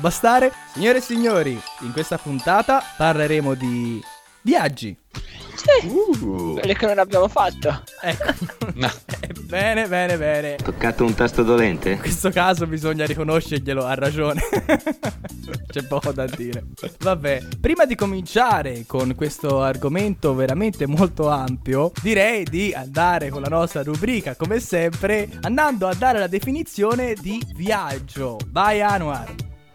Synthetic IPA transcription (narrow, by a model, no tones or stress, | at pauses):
bast̪aːɾesiɲːoːɾesiɲːoːɾiːŋkwest̪apunt̪aːt̪aparleɾeːmod̪i | vjad͡ʒːḭsi | elekːenonabjaːmofat̪ːoɛkːo | bɛːnebɛːnebɛːnet̪okːat̪ount̪ast̪od̪olɛnt̪ʰekwest̪okaːzobizoɲːaɾikonoʃːeɾʎeloarːad͡ʒoːne | t͡ʃt͡ʃɛpːɔːkod̪ad̪ːiːɾevabːɛpɾiːmad̪ikomint͡ʃaːɾekoŋkwest̪oarɡoment̪oveɾament̪emolt̪oampjod̪iɾɛjd̪iand̪aːɾekonlanɔst̪ɾaɾubɾiːkakomesɛmpɾeand̪and̪oad̪ːaːɾelad̪efinit̪sːjoːned̪iviad͡ʒːovajaːnuar